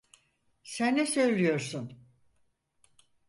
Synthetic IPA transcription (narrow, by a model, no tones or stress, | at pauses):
sænːesø̞jlʲijo̞ɾsun